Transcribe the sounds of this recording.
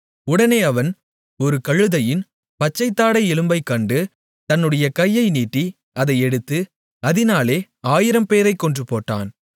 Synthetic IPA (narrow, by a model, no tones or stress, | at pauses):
ʊɽɐneːɐʋɐn | ɔɾɯkɐɻɯðɐjɪn | pɐt͡ʃːɐɪt̪ːaːɽɐɪɛlɯmbɐɪkːɐɳɖɯ | t̪ɐnːɯɽɐjɐkɐjːɐɪniːʈːi | ɐðɐɪɛɽɯt̪ːɯ | ɐðɪnaːleː | aːjɪɾɐmpeːɾɐɪkːɔɳdrɯpːoːʈːa̰ːn